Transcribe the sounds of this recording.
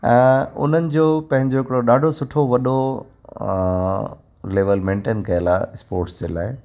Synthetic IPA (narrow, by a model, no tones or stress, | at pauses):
ɛ̃ːʊ̰n̤ənɪ̆d͡ʑoːpɐ̃ɦɪ̃ɲd͡ʑoɦɪkɽoɗaːɖʱosʊʈʰoʋɐɗo | leːʋəlmẽːɳʈeːnkɐjəlaːspoːɾʈsd͡ʑeːla̰ːɪ